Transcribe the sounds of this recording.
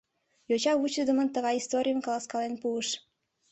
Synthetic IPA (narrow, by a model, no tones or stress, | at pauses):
jot͡ɕɑβut͡ɕəd̪əmənt̪əɣɑjist̪oɾʲijənkɑlɑskɑlenpuəʃ